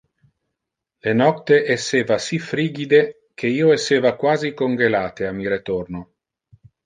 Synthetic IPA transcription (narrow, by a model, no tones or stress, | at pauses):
lenɔt̪ːeʔesːeːvasifɾiːɡid̪e | k̟ʰeiːoesːeːvakwaːzikoŋɡelaːt̪eamːiɾet̪orno